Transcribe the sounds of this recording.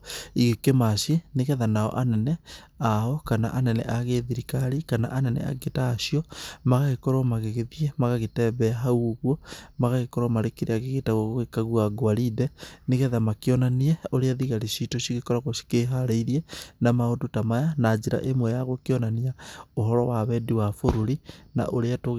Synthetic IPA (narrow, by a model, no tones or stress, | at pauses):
iɣekemaʃeneɣɛðanaɔ̰ʔanɛnɛ | aɔkana̰ʔanɛnɛ̰ʔaɣeðiɾikaɾikana̰ʔanɛnɛ̰a̰ɡetaːʃiɔmaɣaɣekɔɾɔmaɣeɣeðiɛmaɣaɣetɛbɛaɦauɣwɔmaɣaɣekɔɾɔmaɾekeɾeaɣeɣetaɣoɣoekaɣwaɡwaɾidɛneɣɛðamakeɔnaniɛoɾeaðiɣaɾiʃitoʃiɣekɔɾaɣoʃi̥keɦaɾeiɾiɛnamaodotamajanad͡ʒiɾa̰ʔemwɛjaɣokeɔnaniaoɦɔɾɔwaβɛdiwafoɾoɾina̰ʔoɾeatoɣ